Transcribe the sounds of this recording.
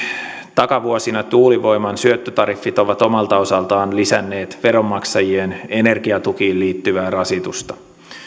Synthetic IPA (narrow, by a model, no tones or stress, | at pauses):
t̪ɑkɑʋuosinɑt̪uːliʋo̞jmɑnsyøt̪ːøt̪ɑɾifːit̪o̞ʋɑt̪o̞mɑlt̪ɑo̞sɑlt̪ɑːnlisænːe̞ːt̪ʋe̞ɾo̞mːɑksɑjiene̞ne̞rɡ̥iɑt̪uk̟iːlliːt̪ːyʋæːrɑsit̪ust̪ɑ̥